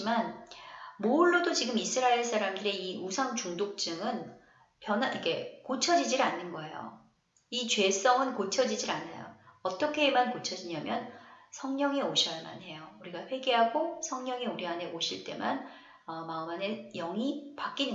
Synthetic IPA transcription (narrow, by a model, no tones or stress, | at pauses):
man | mouɭːodot͡ɕiɡɯmisʰɯɾaeɭsʰaɾamdɯɾe̞iusʰaŋt͡ɕuŋdok̚t͡ɕ͈ɯŋɯn | pjʌnaʔiɡe̞kot͡ɕʰʌd͡ʑid͡ʑiɾanːɯnɡʌejo̰ | it͡ɕɥwe̞s͈ʌŋɯnkot͡ɕʰʌd͡ʑid͡ʑiɾana̰jo̰ʌt͈ʌkʰe̞ːmankot͡ɕʰʌd͡ʑiɲamjʌnsʰʌŋɲʌŋeoɕʰiaɭma̰nɦe̞jouɾiɡaɸwe̞ɡeɦaɡosʰʌŋɲʌŋeuɾiɦane̞oɕʰiɭt͈e̞̰man | ʌmaɯmane̞jʌŋipak͈inɡ